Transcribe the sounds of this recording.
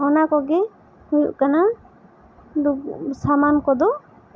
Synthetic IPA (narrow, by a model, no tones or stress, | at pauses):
ɔnakɔɡɛ | hujṵʔkana | d̪usamankɔd̪ɔ